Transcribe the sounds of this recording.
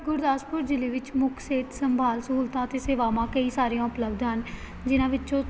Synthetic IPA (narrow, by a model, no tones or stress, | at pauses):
ɡʊɾd̪aːspʊɾd͡ʒɪliːʋɪt͡ʃmʊkʰseːt̪səmbʱaːlsəɦuːlt̪ãːt̪eːseːʋaːmãːkəiːsaːɾijãːʊpləbd̪ɦən | d͡ʒɪnãːʋɪt͡ʃõː